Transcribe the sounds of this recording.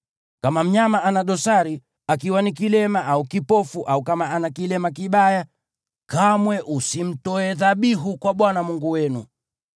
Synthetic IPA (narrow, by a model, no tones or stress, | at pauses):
kamam̩ɲamaʔanaɗɔsaɾi | akiwanikilɛmaʔaukipɔfuʔaukamaanakilɛmakiɓaja | kamwɛʔusim̩tɔɛðaɓiɦukwaɓwanamuŋɡuwɛnṵ